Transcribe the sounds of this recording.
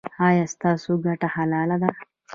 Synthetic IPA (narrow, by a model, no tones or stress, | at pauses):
ɑjɑːst̪ɑːsoɡaʈahalɑːlad̪a